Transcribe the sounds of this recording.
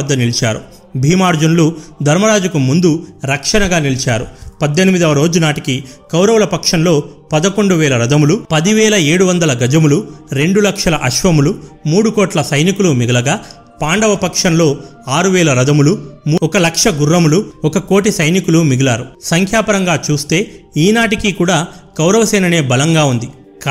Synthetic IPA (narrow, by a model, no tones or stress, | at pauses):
d̪ːɐnilt͡ʃa̰ːɾṵ | bʱiːmaːɾd͡ʒɐnulud̪ʱɐɾmɐɾaːd͡ʒukumund̪uɾɐkʂɐnɐɡaːnilit͡ʃaːɾupɐd̪ːenimid̪ɐɐɾo̞ːd͡ʒunaːʈikikɐwɾɐʋwlɐpɐkʂɐnlo̞ːpɐd̪ɐko̞ɳɖuʋɛːlɐɾɐd̪ɐmulupɐd̪iʋɛːlɐe̞ːɽuʋɐnd̪ɐlɐɡɐd͡ʒɐmuluɾe̞ɳɖulɐkʂɐlɐʔɐʃʋɐmulumuːɽukoːʈlɐsɐjnikulumiɡɐlɐɡaː | paːɳɖɐʋɐpɐkʂɐnlo̞ː | aːɾuʋɛːlɐɾɐd̪ɐmulumuɔkɐlɐkʂɐɡurːɐmuluɔkɐkoːʈ̬isɐjnikulumiɡɐlaːɾusɐŋkʰjaːpɐɾɐŋɡaːt͡ʃuːst̪e̞ːiːnaːʈikikuːɽaːkɐwɾɐʋɐsɛːnɐne̞ːbɐlɐŋɡaːund̪i | kː